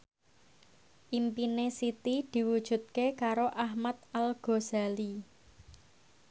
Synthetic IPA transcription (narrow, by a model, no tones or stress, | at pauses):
ʔimpinesit̪id̪̥i̤wud̥ʒ̥ṳt̪̚kekaɾoʔahmat̪̚alɡ̥o̤zali